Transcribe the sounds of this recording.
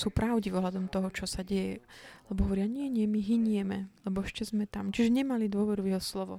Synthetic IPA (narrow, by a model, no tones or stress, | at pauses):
suːpɾʔaʊɟivɔɦlad̪ɔmt̪ɔɦɔt͡ʃɔsaɟɛjɛlɛbɔɦɔʋɔɾɪaɲɪɛɲɪɛmiɦiɲɪɛmɛlɛbɔɛʃcɛzmɛt̪amt͡ʃiʒɛɲɛmalid̪ʊɔʋɛɾuvjɛɦɔslɔʋɔ̰